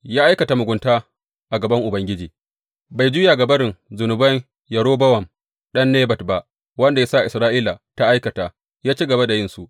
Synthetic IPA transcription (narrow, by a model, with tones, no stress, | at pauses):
jaː˦ʔa˦jkɐ˨ta˨mʊ˨ɡʷʊ˦ntaː˦ | ʔa˨ɡɐ˨bɐ˦ŋʔʊ˨bɐ˦ŋɡʲɪ˦d͡ʒiː˨ | ba˨jd͡ʒʊ˦ja˨ɡɐ˨bɐ˦ɾɪ˨ŋzʊ˨nʊ˨bɐ˦ŋ | jɐ˨ɾoː˦bɐ˦wɐ˨m | ɗɐ˦nːeː˦bɐ˨tba˨ʔ | wɐ˦nda˨ja˦sa˦˨ʔɪ˨sɾaː˦ʔiː˦la˨ta˦ʔa˦jkɐ˨taː˨ | jaː˦t͡ʃi˦ɡɐ˨ba˦da˨jɪ˦nsu˨ʔ